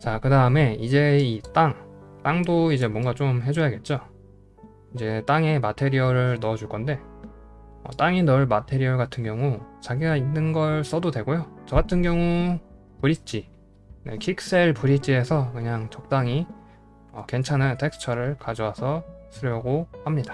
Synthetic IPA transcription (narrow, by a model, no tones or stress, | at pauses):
t͡ɕakɯdaɯme̞id͡ʑe̞it͈aŋt͈aŋdoid͡ʑe̞mwʌnɡat͡ɕomɦe̞d͡ʑojaɡe̞t̚t͡ɕ͈o | id͡ʑe̞t͈aŋe̞matʰe̞ɾiʌɾɯɭnʌʌd͡ʑuɭk͈ʌnde̞ | ʌ̰t͈aŋinʌɭmatʰe̞ɾiʌɡatʰɯnɡjʌŋut͡ɕaɡiɡainːɯnɡʌɭs͈ʌdodwe̞ɡojot͡ɕʌɡatʰɯnɡjʌŋu | puɾit͡ɕ͈i | ne̞̰kʰikʰs͈e̞ɭpuɾit͡ɕ͈ie̞sʰʌkɯɲaŋt͡ɕʌk̚t͈aŋi | ʌke̞nt͡ɕʰanɯntʰe̞ksʰɯ̥t͡ɕʰʌɾɯɭkad͡ʑʌwasʰʌsʰɯɾjʌɡohamɲidḁ